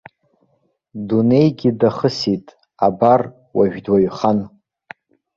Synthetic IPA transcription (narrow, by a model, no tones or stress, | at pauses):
dune̞jɡʲidaχəsitʼ | abar | waʒᶣdwaɥχan